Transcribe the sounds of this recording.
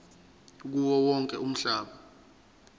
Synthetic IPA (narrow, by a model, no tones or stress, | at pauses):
k̬uwɔwɔŋkʼɛum̩ɬaːɓa